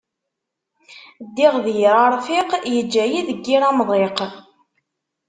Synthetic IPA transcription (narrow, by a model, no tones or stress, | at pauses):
d̪ːɪʁðjɾɑɾˤfiqjəd͡ʒːæjiðəɡːiɾɑmðˤeq